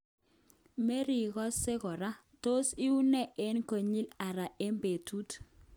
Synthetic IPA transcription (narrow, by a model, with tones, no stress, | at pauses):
me˦ɾi˨ɣɔ˦sɪ˦ɣɔ˨ɾa˦ | to˦si˦u˦nɛ˦ʔe˦nko˨ɲi˦la˨ɾa˨e˦mbe˨tʰu˦t